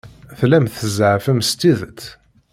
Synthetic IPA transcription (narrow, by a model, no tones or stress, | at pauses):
θlæmθəzəʕfəmst̪ːiðət̪ː